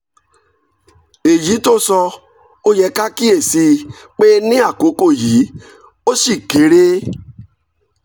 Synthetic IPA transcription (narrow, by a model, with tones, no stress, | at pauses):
e˨ji˨˦to˦sɔ˧ | o˧jɛ˨˧˦ka˦ki˦e˦˨si˧k͡pe˦nĩ˦a˦˨ko˨˦ko˦˨ji˨˦ | o˦ʃi˦˨ke˨˦ɾe˦